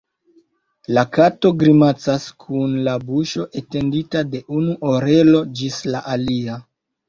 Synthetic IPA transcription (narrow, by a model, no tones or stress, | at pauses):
lakato̞ɡɾimat͡saskʰunlabuʃo̞ʔe̞te̞nditade̞ʔunuʔoɾe̞lo̞d͡ʒislaʔalia